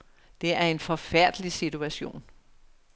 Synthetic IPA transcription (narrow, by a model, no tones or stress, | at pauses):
d̥e̝æɐe̝nfɒ̽fæɐ̰d̥əlisit͡sʰuæɕo̝̰ːn